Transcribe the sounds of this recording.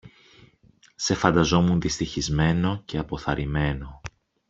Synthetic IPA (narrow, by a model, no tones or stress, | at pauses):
se̞fɐnd̪ɐzo̞munðist̪içizme̞no̞ce̞ɐpo̞θɐɾime̞no̞